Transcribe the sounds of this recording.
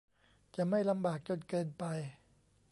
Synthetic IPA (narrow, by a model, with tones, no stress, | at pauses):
t͡ɕa˨˩ma˥˩jla˧mbaː˨˩k̚t͡ɕo˧nkɤː˧npa˧j